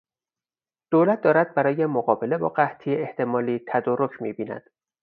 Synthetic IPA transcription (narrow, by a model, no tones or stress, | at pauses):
d̪̥oːlæt̪̚d̪ɒːɾæt̪̚bæɾɒːje̞moɣɒːbe̞le̞bɒ̰ːɢæht̪ʰijeeht̪ʰe̞mɒːliːt̪ʰæd̪ɒːɾocʰmiːbiːnæ̰d̪̥